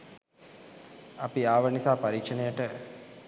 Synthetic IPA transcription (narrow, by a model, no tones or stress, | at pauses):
apiaːʋənisaːpaɾiːkʂənejəʈə